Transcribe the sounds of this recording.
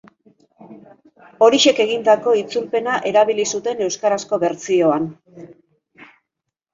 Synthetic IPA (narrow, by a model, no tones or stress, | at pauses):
o̞ɾiʃe̞ke̞ɣ̞ind̪ako̞it͡sulpe̞naʔe̞ɾaβilisut̪e̞ne̞wskaɾasko̞βe̞ɾt͡sio̞an